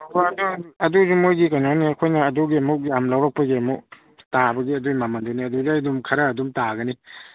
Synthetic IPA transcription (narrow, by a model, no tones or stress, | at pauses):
ɐkʰɔɐduɐduzumojɡikanoniɐkʰojnɐːduɡiɐmuk̚jamlawɾak̚pɐɡiɐmuk̚ | tabɐɡiɐdujmamanduniɐdudadumkʰɐɾɐːdumtaɡɐni